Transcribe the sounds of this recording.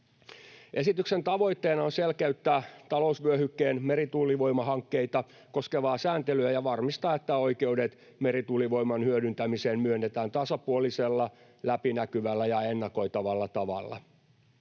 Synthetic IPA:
ʔe̞sit̪yksent̪ɑʋo̞jt̪ːeːnɑonselkeyt̪ːæːt̪ɑlousʋyøhykːeːnmeɾit̪uːlːiʋojmɑhɑŋkːe̞it̪ɑ | ko̞skeʋɑːsæːnt̪elyæjɑʋɑrmist̪ɑːet̪ːæo̞jke̞udet̪ | me̞ɾit̪uːliʋo̞jmɑnhyødynt̪æmiseːnmyønːet̪æːnt̪ɑsɑpuoliselːɑ | læpinækyʋælːæjɑenːɑko̞jt̪ɑʋɑlːɑt̪ɑʋɑ̰lːɑ̰

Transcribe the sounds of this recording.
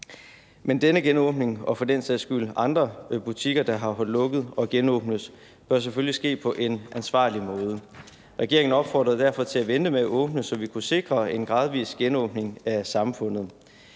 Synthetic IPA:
mend̥enəɡ̥enɔ̽ːb̥ne̝ŋɒ̽fɒ̽d̥ensesɡ̥ylɑ̈nd̥ʁɐb̥ut͡sʰiɡ̥ɐd̥ɑ̈ɦɑ̈ɦɒllɔ̽ɡ̥əð̞̩ˠɒ̽ɡ̥enɔ̰̽ːb̥nəðˠ | b̥ɶɐs̬eføllisɡ̥e̝̰ːpʰɒ̽ʔe̝nʔænsʋɑ̰̈ːlimɔ̽ːð̞ˠə | ʁɛɡ̥e̝ɐe̝ŋn̩ɒ̽b̥fɒ̰ːd̥ʁɐðˠd̥æɐ̰fɒ̽t͡sʰe̝læʋend̥əmeæʔɔ̽ːb̥nəsɒ̽ʋikʰuse̝ɡ̥ʁɐe̝nɡ̥ʁɑ̈ːð̞ˠʋḭːsɡ̥enɔ̽ːb̥ne̝ŋæsɑ̈mfɔ̽n̰ð̩ˠ

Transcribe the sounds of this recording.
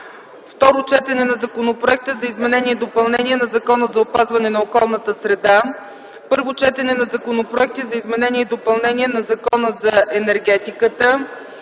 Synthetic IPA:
ft̪ɔɾot͡ʃɛt̪ɛnɛnɐzɐkonopɾʊɛk̚t̪əzɐizmɛnɛnʲiɛd̪opɐlˠnɛniɛnɐzɐkɔnəzɐopazvɐnɛnɐokɔlˠnət̪əsɾɛd̪a | pɤɾvot͡ʃɛt̪ɛnɛnɐzɐkonopɾʊɛk̚t̪izɐizmɛnɛniɛd̪opɐlˠnɛniɛnɐzɐkɔnəzɐɛnɛɾɡɛt̪ikət̪ə

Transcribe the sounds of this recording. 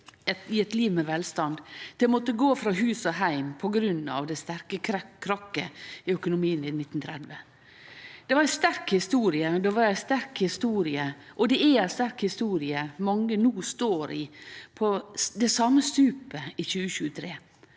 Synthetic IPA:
ɪɛt̪liːʋmɛʋɛlst̪ɑnd̪d̪̥ɛmɔt̪ːəɡoːfɾɑɦʉːsɔɦæɪmpʰɔɡɾʉnɑ̰ʋd̪ɛst̪æɾkəkʰːɾɑkːə̰ɪœkʊnʊmiːənɪnɪt̪ːn̩t̪ʰɾɛd̪ʋə | d̪̥ɛʋɑɾæɪst̪æɾkhɪst̪uːɾɪəd̪ɛʋɑɾæɪst̪æɾkhɪst̪uːɾɪəʔɔd̪ɛææɪst̪æɾkhɪst̪uːɾɪəmɑŋːənuːst̪oːɾɪpʰɔd̪ɛsɑmːəst̪ʉːpəɪçʉːəçʉːət̪ʰɾeː

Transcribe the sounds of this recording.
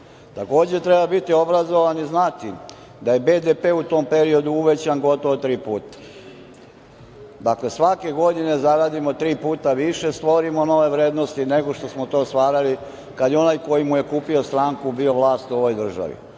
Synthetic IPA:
t̪ako̞ːd͡ʑet̪ɾebabit̪iobɾazo̞ʋaniznat̪i | d̪aje̞be̞d̪epeut̪o̞ːmpeɾio̞d̪uuʋet͡ɕanɡo̞t̪oʋot̪ɾiːpuːt̪ḁ | d̪akle̞sʋake̞ɡo̞d̪ine̞zaɾaːd̪imot̪ɾiːpuːt̪aʋiʃe̞st̪ʋo̞ɾimo̞no̞ʋe̞ʋɾeːd̪nost̪ineɡo̞ʃt̪o̞smot̪o̞ːst̪ʋaːɾali | kad̪jeo̞najko̞jimuje̞kuːpio̞st̪ɾaːŋkubio̞ʋlaːst̪uo̞ʋo̞jd̪r̩ʒa̰ʋḭ

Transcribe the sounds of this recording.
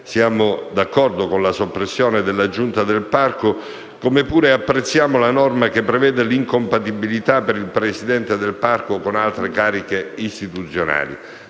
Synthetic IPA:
sjaːmod̪akːɔrd̪okonlasopːɾesːjoːned̪elːad͡ʒunt̪ad̪elparko | komepuːɾeapːɾet̪sːjaːmolanɔrmakepːɾevɛːd̪eliŋkompat̪ibilit̪apːeɾilpɾesid̪ɛnt̪ed̪elparkokonalt̪ɾekaːɾikeist̪it̪ut̪sːjona̰ːlḭ

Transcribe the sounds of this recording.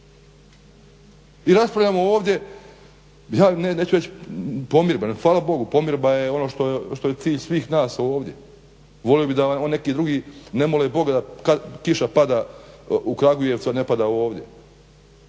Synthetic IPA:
iɾaspɾaʋʎamooːʋd̪ʲje̞ | jaːneneːt͡ɕuɾe̞t͡ɕpo̞mjiɾbanxʋaːlabo̞ɡupo̞mjiɾbajeo̞no̞ːʃt̪oʃt̪o̞jet̪siːʎsʋiːxnaːso̞ːʋd̪je̞ | ʋo̞lijobid̪ao̞nːe̞kiːd̪ɾuɡiːne̞molebo̞ɡad̪akakiʃapad̪aːukɾaɡujet̪ud̪ane̞pad̪aːo̞ːʋd̪je

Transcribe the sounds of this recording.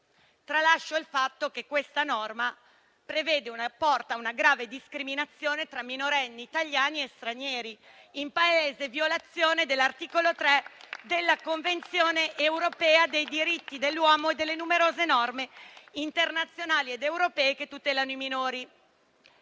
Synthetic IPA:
t̪ɾalaʃːoilfat̪ːokekːwest̪anɔrma | pɾeveːd̪eunapɔrt̪aunaɡɾaːved̪iskɾiminat̪sːjoːnet̪ɾamːinoɾɛnːiːt̪aʎjaːniest̪ɾaɲɛːɾi | impaeːzevjolat̪sːjoːned̪elːart̪iːkolot̪ɾɛd̪elːakoɱvent̪sjoːneʔewɾopɛːad̪ejd̪iɾit̪ːid̪elːwɔːmoed̪ːelːenumeɾoːzenɔrmeint̪ernat̪sːjonaːlied̪ewɾopɛːeket̪ːut̪ɛːlanoiminoːɾi

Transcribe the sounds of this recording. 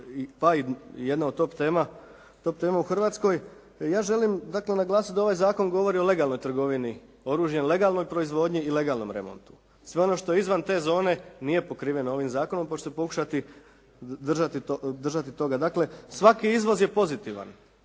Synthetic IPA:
ipaijed̪naod̪t̪o̞pt̪eːma | t̪o̞p̚t̪e̞ːmauxr̩ʋaːt̪sko̞j | jaːʒe̞limd̪akle̞naɡlˠaːsut̪d̪ao̞ʋajzaːko̞nɡo̞ʋo̞ɾio̞le̞ɡalˠno̞jt̪r̩ɡo̞ʋini | o̞ɾuːʒjenle̞ɡalno̞jpɾo̞izʋo̞d̪ɲiːle̞ɡaːlˠno̞̰mɾe̞̰mo̞̰nt̪u̥ | sʋe̞o̞no̞ʃt̪o̞izʋant̪e̞ːzo̞ːne̞nije̞po̞kɾiːʋje̞noo̞ʋimzaːkono̞mpot͡ʃsepo̞ku̥ʃat̪i | d̪r̩ʒat̪iod̪r̩ʒat̪it̪o̞ɡad̪akle̞sʋakiizʋo̞zje̞po̞zit̪iʋa̰n

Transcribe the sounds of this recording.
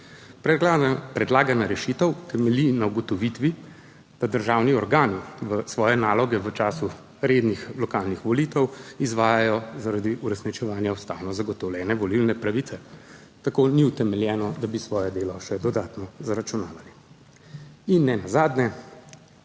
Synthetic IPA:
pɾɛd̪laːɡanaɾɛʃit̪əwk̪ɛmɛlinauɡɔt̪ɔʋit̪ʋi | d̪̥ad̪əɾʒaːwniɔɾɡaːniʋəsʋɔːjɛnaːlɔɡɛʋət͡ʃaːsu | ɾeːd̪nixlɔkaːlnixʋɔliːt̪ɛwizʋaːjajɔzaɾad̪iʔuɾɛsnit͡ʃɛʋaːnjaust̪aːwnɔzaɡɔt̪ɔwlʲjɛːnɛʋɔlilnɛpɾaʋit̪sɛ | t̪akoniut̪ɛmɛljɛːnɔd̪abisʋɔːjɛd̪eːlɔʃɛd̪ɔd̪aːt̪nɔzaɾat͡ʃunaːʋali | inːɛnazaːd̪nɛ

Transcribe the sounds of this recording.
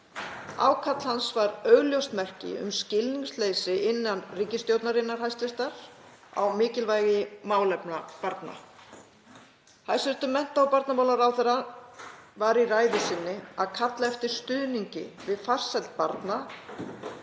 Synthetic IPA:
a̰ːwkʰat̪l̥hansvaɾœːɣljowst̪mɛr̥cɪ̰ʏ̰mscɪlniŋslejsɪʔɪnːanriːcɪst̪jowt̪naɾɪnːaɾ̥ɦajst̪vɪst̪aɾ̥ | a̰wmɪːcɪlvajɣɪmaːwlɛpnapaɾt̪na̰ | hajsɪr̥t̪ʏmɛn̥t̪awpaɾt̪namawlaɾawθɛɾa | vaɾiraːjðɪsɪnːɪaðkʰat̪laɛft̪ɪɾ̥st̪ʏːðniɲcɪ̰vɪðfar̥sɛlt̪̚paɾt̪na

